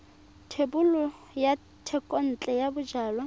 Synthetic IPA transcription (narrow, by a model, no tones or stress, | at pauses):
tʰebulʊ | ja | tʰɛkʼɔn̩t͡ɬʼɛjabʊd͡ʒaːlɔ